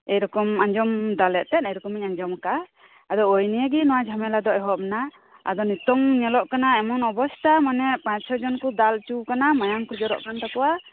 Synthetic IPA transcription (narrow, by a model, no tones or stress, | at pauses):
ɛjɾɔkɔmaɲd͡ʒɔmd̪alɛʔt̪ɛnɛjɾɔkɔmiɲaɲd͡ʒɔmka | ad̪ɔojnijəɡinɔwad͡ʒʱamɛlad̪ɔʔɛɦɔpna | a̰d̪ɔnit̪ɔŋɲɛlɔʔkanaɛmɔnɔbɔst̪ʰamanɛʔpãɲsʰɔd͡ʒɔnkɔd̪alt͡ʃukanamajaŋkud͡ʒɔɾɔ̰ʔkant̪akɔwa